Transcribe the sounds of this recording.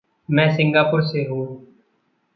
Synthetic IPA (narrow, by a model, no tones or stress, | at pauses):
mɛ̃ːsɪŋɡaːpʊɾseːɦoː